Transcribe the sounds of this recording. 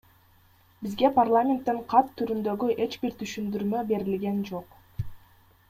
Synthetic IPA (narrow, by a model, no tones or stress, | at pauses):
bizɡe̞parlˠamʲent̪ːeɴqʰɑt̪ʰːyɾynd̪ø̞ɡyʔe̞t͡ʃbiɾt̪ʰyʃynd̪yɾmø̞be̞ɾilɡe̞nd͡ʒo̞q